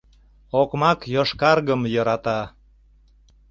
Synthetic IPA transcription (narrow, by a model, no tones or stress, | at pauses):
okmɑkjoʃkɑrɣəmjɤɾɑt̪ɑ